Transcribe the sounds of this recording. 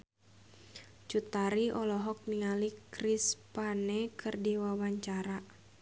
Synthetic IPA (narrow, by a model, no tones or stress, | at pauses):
t͡ʃut̪aɾiʔɔlɔɦɔk̚niŋalikrispanɛkʰɨrdiwawaɲt͡ʃaɾa